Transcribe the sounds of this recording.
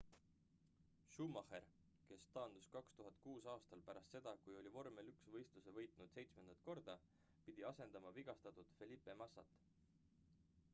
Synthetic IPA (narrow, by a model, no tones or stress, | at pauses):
ʃumɑheɾ | ke̞st̪ɑːnd̪̥uskɑkst̪uɦɑt̪̚ˑkuːsɑːst̪ɑlpæɾɑst̪se̞d̪̥ɑkujo̞lʲivo̞rmelyksvɤjst̪lusevɤ̞jt̪ˑnud̪̥se̞jt̪sme̞nd̪̥ɑt̪̚ˑko̞rd̪̥ɑ | pid̪̥iɑse̞nd̪̥ɑmɑviɡ̥ɑst̪ɑt̪ud̪̥fe̞lʲipːˑe̞mɑsɑ̰t̪ːˑ